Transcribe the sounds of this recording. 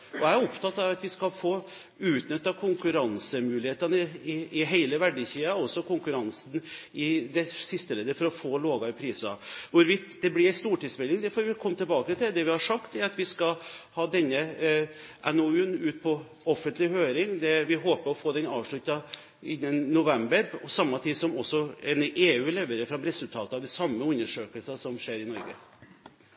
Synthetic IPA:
ɔææɾʊpt̪ɑt̪ːɑʋɑt̪ʋɪskɑlfoː | ʉːt̪nʏt̪ːɑkʰʊŋkʉɾɑnsəmʉːlɪheːt̪ənəɪɪɦeɪləʋæɖəçiːɑɔsːɔkʰʊŋkʉɾɑnsn̩ɪd̪ɛsɪst̪əleːd̪əfɔɾɔfoːloːɡɑɪpʰɾiːsɑ̰ʋʊɾʋɪt̪ːd̪ɛblɪst̪uːʈiːd̪smɛlːɪŋd̪ɛfɔɾʋɪkʰɔmːət̪ʰɪlbɑːkət̪ʰɪld̪ɛʋɪhɑʂɑkt̪ɛɾɑt̪ʋɪskɑhɑːd̪ɛnːə | ʔɛnoʉːnʉːt̪̚pʰɔ | ɔfːənt̪lɪhøːɾɪŋd̪ɛʋɪɦoːpəɾɔfoːd̪ɛnɑːʋʂɭʉt̪ɑ | ɪnːənːʊʋɛmbəɾɔsɑmːɑt̪ʰiːd̪sɔmɔsːɔɛnʔeːʉːlɛʋəɾəfɾɑmɾɛsʉlt̪ʰɑːt̪əɑʋd̪ɛsɑmːəʉnːəʂøːkəlsɑsɔmʂeːɾɪnɔɾɡə̰

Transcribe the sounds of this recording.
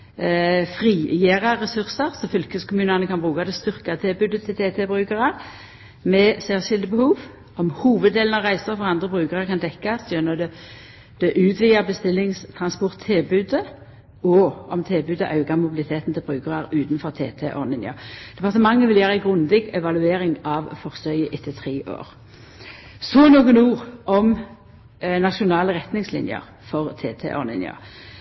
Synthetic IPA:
fʁiːjeːʁəʁːɛsʉʁsəʁsɔfʏlkəskʰʊmʉːnənəkʰɑnbʁʉːkad̪ɛst̪ʏʁkɑt̪ʰɪlbʉːd̪ət̪ʰɪlt̪ʰeːt̪ʰebʁʉːkəʁɑʁ | mɛseːʁʃɪld̪əbəhuːʋ | ɔmhuːʋəd̪eːlənɑʁæɪsəʁfɔʁɑnd̪ʁəbʁʉːkəʁəkɑnd̪ɛkːɑsd̪jœnəd̪ɛ | d̪̥ɛʔʉːt̪ʰʋiːəbəst̪ɪlːɪŋst̪ʰʁɑnspɔʁt̪ʰːɪlbʉːd̪ə | ɔʔɔmt̪ʰelbʉːd̪əʔɑʉɡɑmʊbɪlɪt̪ʰeːt̪n̩t̪ʰɪlbʁʉːkəʁəɾʉːt̪nfɔʁt̪ʰḛːt̪ʰḛʔo̰ʁlɪnjə̰d̪̥ɛpɑʁt̪əmɑŋːəʋɪljæːʁæɪɡʁʉnd̪ɪɡɛʋɑlʉeːɾɪŋɑʋfɔʁsœʏəʔɪt̪ʰːət̪ʰʁeːʔo̰ːʁ | sɔnuːɡənuːʁʔɔm | nɑʃʊnɑːləʁɛt̪nɪŋslɪ̰njə̰ʁ | fɔʁt̪ʰḛːt̪ʰḛʔo̰ʁlɪ̰njə̰

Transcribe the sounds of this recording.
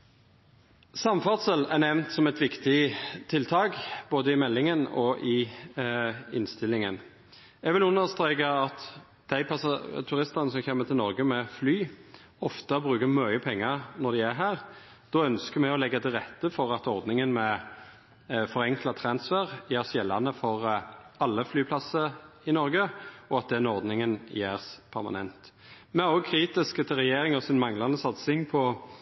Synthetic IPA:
sɑmfɑd̪səlæʁnɛʋnt̪sɔmɛt̪ʋɪkt̪ɪt̪ʰɪlt̪ʰɑːɡb̥oːd̪əɪmɛlːɪŋənɔ̰ʔɪ | ɪ̰nst̪ɪlːɪŋə̰n | ɛɡʋɪlʉnːəʁst̪ɾeːkɑɑt̪ | d̪̥æɪpʰɑsɑt̪ʰʉʁɪst̪ɑnəsɔmçeːmːət̪ʰɪlnɔʁɡəmɛflyː | ɔft̪əbɾʉːkəmœʏəpʰɛŋːɑʁnɔʁd̪ɪæɦæːʁ | d̪̥ɔœnskəmɛɔlɛɡːɑt̪ʰɪlʁɛt̪ːəfɔɾɑt̪ɔʁd̪nɪŋənmɛ | fɔʁɛŋklɑt̪ʰɾɑnsfæʁjeːʁsjɛlːɑnəfɔʁɑlːəflyːpʰlɑsəɾɪnɔɾɡəɔɑt̪̚d̪ɛɛnɔʁd̪nɪŋənjeːʁspʰæʁmɑ̰nɛnt̪ | mɛʁɔɡ̚kʰɾiːt̪ɪskt̪ʰɪʁɛjeːɾɪŋɔsɪnmɑŋlɑnəsɑt̪sɪŋpʰɔ

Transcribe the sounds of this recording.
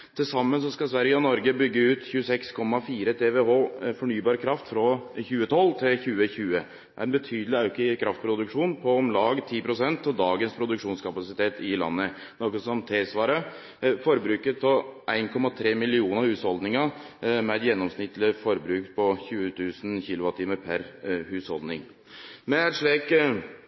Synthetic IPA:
t̪ʰɪlsɑmːəns̬ɔskɑsʋæɾjəɔnɔɾɡəbʏɡːəʉːt̪çʉəsɛkskʰɔmːɑfiːɾət̪ʰeːʋeɦoːfɔɳyːbɑːɾkʰɾɑft̪fɾɔçʉːət̪ʰɔlːt̪ʰɪlçʉːəçʉːə | d̪æɾɛnbət̪ʰyːd̪əlɪɑʉkəkʰɾʔɑft̪̚pʰɾʊd̪ʉkʂuːnpʰɔɔmlɑːɡt̪ʰiːpʰɾʊsɛnt̪ːɔd̪ɑːɡənspʰɾʊd̪ʉkʂuːnskʰɑpɑsɪt̪ʰeːt̪ɪlɑ̰nːə | nɔkəsɔmt̪ʰesʋɑːɾə | fɔɾbɾʉːkət̪̚pʰɔʔæɪnkʰɔmɑt̪ʰɾeːmɪlɪuːnəɾhʉːshɔld̪nɪŋəmɛd̪jɛnːɔmsnɪt̪ːlɪfɔɾbɾʉːkpʰɔçʉːət̪ʰʉːsn̩çɪlʊʋɑt̪ʰiːməɾpʰæɾhʉːshɔld̪nɪŋ | mɛæt̪ʂɭiːk

